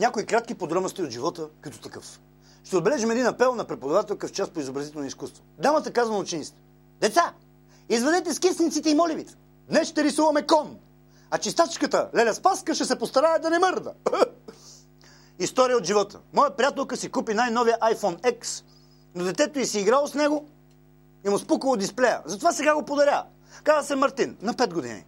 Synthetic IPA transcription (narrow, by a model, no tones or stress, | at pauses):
nʲakoikɾat̪̚k̟ipod̪ɾɔmnost̪iod̪ʒivɔt̪əkəit̪ʊ̥t̪ɐkəfs | ʃt̪ɛod̪̚bɛlɛʒimɛd̪inɐpɛlˠnɐpɾɛpod̪ɐvat̪ɛlˠkəft͡ʃas̚poizobɾɐzit̪ɛlnoiskust̪vod̪amət̪əkazvɐnoʊt͡ʃɛnit̪st̪ | d̪ɛt̪sa | izvɛd̪ɛt̪ɛskɛsʲnit̪it̪ɛimɔlivit̪ə̥ | d̪nɛsʃt̪ɛɾisuvɐmɛkɔn | ɐt͡ʃist̪at͡ʃkət̪əlɛlʲɛspaskəʃɛsɛpost̪ɐɾaɛd̪ɐnɛmɤɾd̪ə̰ | ist̪ɔɾijəot̪ʒivɔt̪ʰə̰mɔjəpɾijat̪ɛlˠkəsikupinajnɔvijəʔajfɔnɛks | nod̪ɛt̪ɛt̪oisiːɡɾalˠosnɛɡo | imʊspukəlˠod̪isplɛjə̰zɐt̪ovasɛɡaɡopod̪ɐɾʲja | kazəsɛmɐɾt̪inːɐpɛd̪̚ɡod̪ḭnḭ